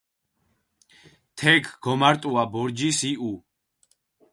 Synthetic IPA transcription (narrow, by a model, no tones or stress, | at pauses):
t̪ʰɛɡʰɡɔmaɾt̪ʼuabɔɾd͡ʒisiʔu